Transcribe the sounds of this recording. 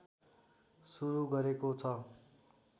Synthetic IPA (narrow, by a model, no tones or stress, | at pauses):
suɾuɡʌɾekot͡sʰʌ